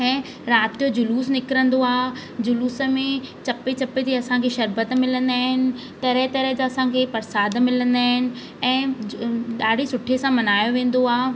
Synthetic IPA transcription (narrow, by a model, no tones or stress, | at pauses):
ɛ̃ː | ɾaːt̪ijod͡ʑʊluːsnɪkɾə̃nd̪oaːd͡ʑʊluːsə̆mẽt͡ɕɐpet͡ɕɐpet̪ʰiɐsãkʰeʃɐɾbət̪mɪlə̃nd̪aːɦɪnɪ̆ | t̪ɐɾɛɦt̪ɐɾɛɦd͡ʑaɐsãkʰeːpɐɾsaːd̪mɪlə̃nd̪aːɦɪnɪ̆ | ɛ̃ː | ɗaːɖ̤ʱisʊʈʰesãmɐnaːjoʋẽːn̆d̪oaː